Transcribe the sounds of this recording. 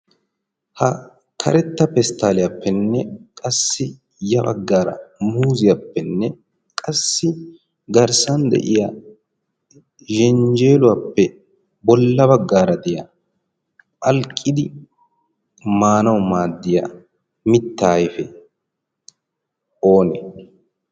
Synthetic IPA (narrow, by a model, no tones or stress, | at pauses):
hɐ | kʰɐ̰ɾɛt̪ːɐpɛst̪ːaːlɪjapːɛnːɛkʼɐsːɪ | jɐbɐ̰ɡːaːɾɐ̰muːzɪjapːɛnːɛ | kʼɐsːɪ | ɡɐɾsɐnd̪ɛ̰ʔɪja | ʒɛnd͡ʒe̞ːlʊwapːɛ | bɔlːɐbɐɡːaːɾɐd̪ɪjaː | ʔɐlkʼːɪd̪ɪ | maːnɐwmaːd̪ːɪja | mɪt̪ːaːjfɛ | ʔo̞ːnɛ